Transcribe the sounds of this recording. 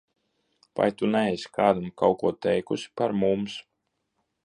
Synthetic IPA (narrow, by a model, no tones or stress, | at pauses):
va̰jt̪unɛɛjskaːd̪amkawkuɔt̪ɛjkusʲi̥paɾmums